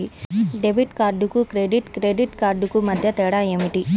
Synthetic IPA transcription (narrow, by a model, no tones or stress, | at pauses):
iɖebʱiʈkaːɾɖukukɾeɖiʈkɾeːɖiʈkaːɾɖukumɐd̪ʱjɐt̪ɛːɽaːemiʈi